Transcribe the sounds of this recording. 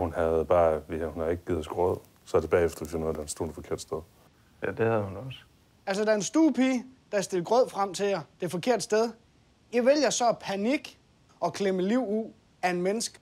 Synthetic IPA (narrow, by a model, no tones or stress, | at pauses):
hunhæð̩ˠb̥ɑ̈ːʋehunhɑe̝ɡ̥əɡ̥ið̩ˠɒsɡ̥ʁɔð̰ˠ | sɒæɐd̥e̝b̥ɛ̰ːefd̥ɐʋesnɔːd̥æɐnsd̥oːd̥fɒ̽kʰe̝ɐ̰d̥sd̥eðˠ | jæd̥ehæðˠhunɒs | ælsəd̥æɐe̝nsd̥uːpʰiːd̥ɑsd̥e̝lɡ̥ʁɔð̰ˠfʁam̰t͡sʰe̝jɑd̥e̝fɒ̽kʰe̝ɐ̰d̥sd̥eð̞ˠ | jiʋeljɐsɒ̽pʰæniɡ̥ | ɒ̽kʰleməliʊ̰uð̰ˠ | æe̝nmenəsɡ̥ə